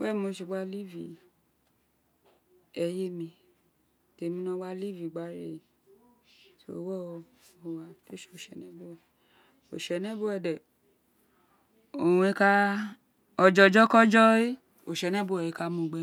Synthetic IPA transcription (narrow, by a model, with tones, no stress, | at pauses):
wɛ̃˦˨˦o˧ʃi˧˨ɡ͡ba˦li˦˨vi˨ | ɛ˧je˦mĩ˧ | te˨mĩ˧˦nɔ̃˧˦wa˦li˦˨vi˨ɡ͡ba˨˦ɾe˦˨ | so̰˦wɛ˦˨˧o˨wa˧to˦i̥˦o˨ʃɛ˨nɛ̃˨˦bo˦ɛ˨ | o̰˨ʃɛ˨nɛ̃˦bo˦ɛ˧˨dɛ˨ | o˨ũ˨˧e˦˧ka˦ | ɔ˧d͡ʒɔ˧˦d͡ʒɔ˦kɔ˦d͡ʒɔ˦e˦ | o˨ʃɛ˨nɛ̃˦bo˦ɛ˨e˨˧ka˧mũ˦˨ɡ͡bɛ˧˦